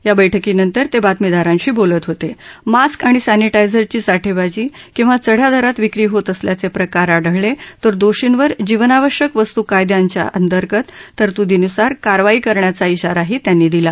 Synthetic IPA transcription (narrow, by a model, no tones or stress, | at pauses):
ɦjabəjʈʰəkiːnənt̪əɾt̪ebat̪mid̪aɾãɲɕiːbolət̪ɦot̪emaskaɽ̃isaniʈajd͡zəɾt͡ɕiːsaʈʰebad͡ʑiːkĩw̃ʋat͡səɽ̤jad̪ʱəɾat̪ʋikɾiːɦot̪əsljat͡sepɾəkaɾaɽəɭlet̪əɾd̪oɕinʋəɾd͡ʑiʋənaʋəɕjəkʋəst̪ukajd̪jaɲt͡ɕja̰ʔə̰nt̪əɾkət̪ːəɾt̪ud̪ʱinusaɾkaɾʋaiːkəɾɳjat͡saiɕaɾaɦiːt̪janːiːd̪ila